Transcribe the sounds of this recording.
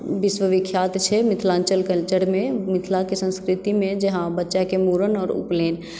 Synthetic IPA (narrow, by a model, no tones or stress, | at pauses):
biswəʋikʰːjat̪t͡ʃʰɛmit̪ʰlant͡ʃəlkəlt͡ʃəɾmemit̪ʰlakesə̃nskɾit̪imẽd͡ʒeɦãbətːʃakemuɾənɔːɾṵpleːn